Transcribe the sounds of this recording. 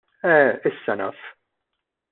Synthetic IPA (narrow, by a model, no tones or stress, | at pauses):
ɛɪsːɐnɐ̰ːf